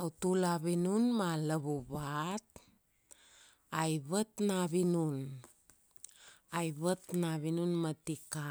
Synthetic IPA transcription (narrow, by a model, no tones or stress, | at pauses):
autulaβinunmaləβuβat̚ | ajβətnaβinun | ajβətnaβinunmatika